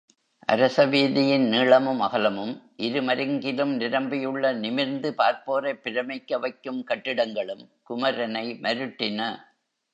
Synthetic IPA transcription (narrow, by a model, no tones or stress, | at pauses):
ʔɐ̰ɾɐsɐʋiːðɪjɪnniːɭɐmɯmɐɣɐlɐmɯmʔɪɾɯmɐɾɪŋɡɪlɯmnɪɾɐmbɪjɯɭːɐnɪmɪɾnd̪ɯpaːɾpoːɾɐɪpːɪɾɐmɐkːɐʋɐɪkːɯmkɐʈːɪɽɐŋɡɐɭɯmkʊmɐɾɐnɐɪmɐɾɯʈːɪnɐ